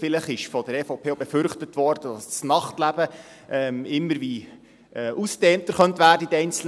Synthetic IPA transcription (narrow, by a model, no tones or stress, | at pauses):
fɪləχɪʃfɔdəɾɛfoʊpʰeːobefʏɾχtətʋɔɾd̥əd̥ɑssnɑχtlæbə | ɛːmɪmːəɾʋi | ɛːʔusd̥ɛːnt̪əɾχœntʋæːrdəidɛɪnt͡sl̩